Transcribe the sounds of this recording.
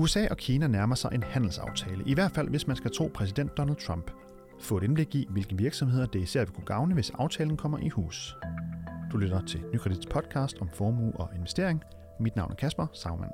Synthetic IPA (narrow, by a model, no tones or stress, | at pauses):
uesɛ̰ːʔɒ̽kʰiːnænæɐmɐsɑ̈ɪʔe̝nhæn̰l̩sɑ̈ʊt͡sʰɛːləʔiʋæɐd̥fæl̰ʋe̝smænsɡ̥æt͡sʰʁo̝̰ːpʰʁɛsid̥en̰d̥ːɒ̽næld̥̚t͡sʰʁɑm̰b̥ | fɔ̰̽ːeɾ̥enb̥le̝ɡ̥iʋe̝lɡ̥əʋiɐɡ̥sɒ̽mhe̝ð̞̰ˠɐd̥e̝isæɐ̰ʋekʰuɡ̥ɑ̈ʊnəʋe̝sɑ̈ʊt͡sʰɛːln̩kʰɒ̽m̰ɐʔihṵːs | d̥ulød̥ɐt͡sʰe̝nykʰʁed̥id̥ˠspʰɒ̽d̥̚kʰɑ̈ːsd̥ɒ̽mfɒːmṵːɒ̽e̝nʋesd̥e̝ɐ̰e̝ŋ | mid̥nɑ̈ʊnæɐkʰæsb̥ɐsɑ̈ʊmæn̰